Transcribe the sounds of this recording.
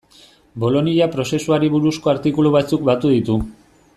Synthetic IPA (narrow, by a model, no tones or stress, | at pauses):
bo̞lo̞niapɾo̞se̞suaɾiβuɾusko̞aɾt̪ikuluβat͡sukbat̪uðit̪u